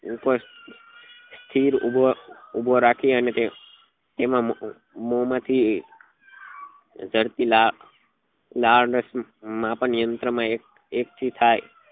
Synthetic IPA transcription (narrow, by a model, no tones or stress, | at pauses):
upə | st̪ʰiɾubʱoubʱoɾakʰieənet̪e | t̪emã | momãt̪ʰi | d͡ʒəɾt̪ila | laɾɖəsmãpəɳijənt̪ɾəmãek̚ | ek̚t͡ʃʰit̪ʰaj